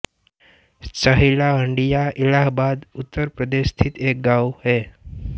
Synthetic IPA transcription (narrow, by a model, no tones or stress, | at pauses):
səɦilaɦəɳɖijailaɦbad̪ut̪ːəɾpɾəd̪eʃt̪ʰit̪ek̚ɡawɦe